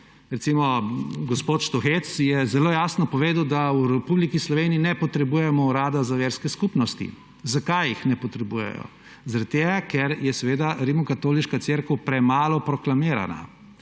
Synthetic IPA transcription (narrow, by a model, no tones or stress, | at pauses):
ɾɛt̪simɔɡɔspoːt̪ʃt̪ɔxet̪sjɛzɛloːjaːsnɔpɔʋeːd̪wd̪awɾɛpublikislɔʋeːniinɛpɔt̪ɾɛbuːjɛmɔuɾaːd̪azaʋeːɾskɛskupnɔst̪ḭ | zakajixnɛpɔt̪ɾɛbujɛ̰jɔ̰ | zaɾat̪̚t̪ːeːɡakɛɾjɛsɛʋeːd̪aɾimɔkat̪oːliʃkat̪seːɾkəwpɾɛmaːlɔpɾɔklamiːɾa̰na̰